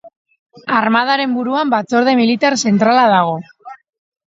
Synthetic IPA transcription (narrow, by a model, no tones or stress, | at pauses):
aɾmað̞aɾe̞mbuɾuambat͡so̞ɾð̞e̞milit̪aɾse̞nt̪ɾalaðaɣ̞o̞